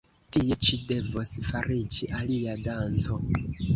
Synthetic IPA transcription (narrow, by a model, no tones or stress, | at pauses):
tiet͡ʃide̞vosfaɾid͡ʒiʔaliadant͡so̞